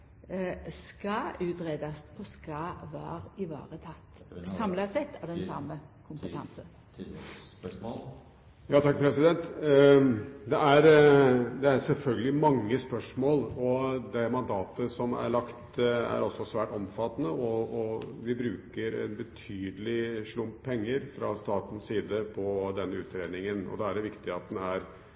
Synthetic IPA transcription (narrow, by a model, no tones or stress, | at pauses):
skɑʉːt̪ɾeːd̪ɑsɔskɑʋɑ̰ːɾɪʋɑ̰ːɾət̪ʰɑt̪ːsɑmlɑsɛt̪ʰːɑʋd̪ɛnsɑməkʰʊmpəɑ̰nsə | jɑːt̪ʰɑkːpʰɾɛsɪd̪ɛnt̪ | d̪ɛʔæɾd̪ɛæɾsɛlfœlɡəlɪmɑŋːəspœʂmoːlɔd̪ɛmɑnd̪ɑːt̪əsɔmæ̰ɭɑkt̪æ̰ɾɔsːɔsʋæːʈɔmfɑt̪ːnəɔɔʋɪbɾʉːkəɾɛ̰nbət̪ʰyːd̪əlɪʂɭʊmppʰɛŋːəɾfɾɑ̰st̪ɑːt̪n̩siːd̪əpʰɔd̪ɛnːəʉːt̪ɾeːd̪nɪŋənɔ̰d̪ɑæɖɛʋɪkt̪ɪɑt̪̚n̩æɾ